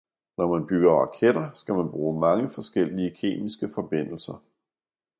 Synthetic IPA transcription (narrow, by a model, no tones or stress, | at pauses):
nɒmænb̥yɡ̥ɐʁɑ̈kʰed̥ɐsɡ̥æmænb̥ʁuːmɑ̈ŋəfɒ̽sɡ̥el̰iəkʰe̝̰ːmisɡ̥əfɒ̽b̥e̝n̰l̩sɐ